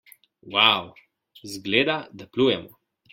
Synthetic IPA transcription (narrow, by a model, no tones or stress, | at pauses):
waw | zɡleːd̪ad̪aplujɛmɔ